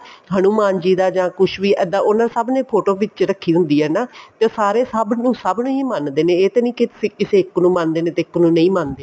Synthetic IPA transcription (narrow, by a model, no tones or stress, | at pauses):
ɦanũːmaːnd͡ʒiːd̪aːd͡ʒãːkʊʃʋiːʔɛːd̪ãːʔonaːsəbneːpʰoːʈoːʋɪt͡ʃɾəkʰːiːd̪ʊ̃nd̪iːɦɛːnaːt̪eːsaːɾeːsəbnũːsəbnəĩːmənd̪eːnẽːeːt̪eːnĩːkɪt̪ʊsĩːkɪseːɪknũːmãnd̪eːnẽːt̪eːɪknũːnə̃ĩːmand̪eː